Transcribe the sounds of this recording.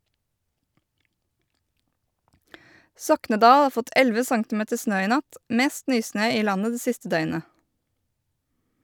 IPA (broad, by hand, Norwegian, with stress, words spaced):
ˈsɔknəˌdɑː ˈɑːɾ ˈfɔt ˈʔɛlʋə ˈsɑŋtɪˌmeːtə ˈsnøː ˈiː ˈnɑt ˈmeːst ˈnyːˌsnøː ˈiː ˈlɑnə ˈdeː ˈsɪstə ˈdœʏnə